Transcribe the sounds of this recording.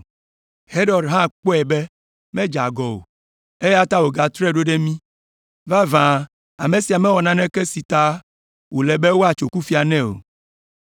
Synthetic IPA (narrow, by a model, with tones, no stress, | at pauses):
he˦ɖɔ˨ɖɦã˦k͡po˦ɛ˨bɛ˦ | mɛ̃˦d͡ʒa˨ɡɔ˨wo̰˨ | e˦je˦a˦t̪a˦wo˨ɡa˨t̪ɾɛ˦ɖo˦ɖɛ˦mĩ˦ | va˦vã˨ | a˨mẽ˨si˨a˨mɛ̃˦wɔ˨nã˦nɛ̃˦kɛ˦si˨t̪a˦ | wo˨lɛ˨be˦wo˦a˨t͡ʃo˨ku˦fi˦a˨nɛ̃˦o̰˨